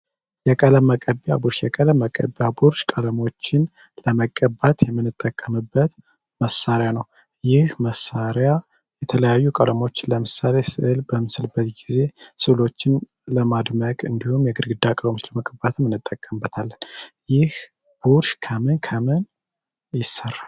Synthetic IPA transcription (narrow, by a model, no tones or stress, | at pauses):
jɛkʼələmːəkʼəbja̰buɾʃjɛkʼələmːəkʼə̰bjabuɾʃkʼələmo̞t͡ʃːɪn | ləməkʼːəbat̪jɛmːɨnːɨt̪ʼːəkʼːəmɨbːət̪ | məsːaɾjanəw | jɪhməsːaɾja | jɛt̪ʰələjajːukʼələmo̞t͡ʃːɪnləmɨsale̞sɨʔɨlbəmɨsɨlbət̪ɡize̞sɨlo̞t͡ʃːɪn | ləmad̪məkʼɨnd̪ihumjɛɡɨɾɡɨd̪ːakʼələmʊt͡ʃləməkʼəbat̪ʰɨnmːɨnːɨt̪ʼːəkʼːəmbːət̪ʰalːənjɪh | b̥uɾʃkʰəmɨnkʰəmɨn | jɪsːərːal